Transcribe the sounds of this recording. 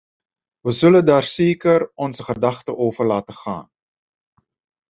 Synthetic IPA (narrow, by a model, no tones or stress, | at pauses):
ʋəzələdɑːrseːkəɾɔnsəχədɐχtəʔoːvərlaːtəχɑ̰ːn